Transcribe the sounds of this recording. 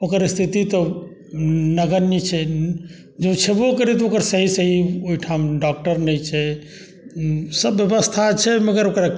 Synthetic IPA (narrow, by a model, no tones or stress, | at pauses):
okəɾst̪ʰit̪it̪ɔ | nəɡəɾnit͡ʃʰɛ | d͡ʒet͡ʃʰebokəɾɛt̪ɔokəɾsəɦisəɦioiʈʰamɖɔk̚ʈəɾnɛt͡ʃʰɛ | səbːjəbəst̪ʰat͡ʃʰɛməɡəɾokɾa